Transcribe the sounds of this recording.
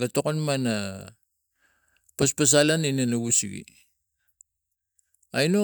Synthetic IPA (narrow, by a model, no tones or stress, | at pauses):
ɡatokonmana | paspas̬alaninanaɡusiɡḭ | ajno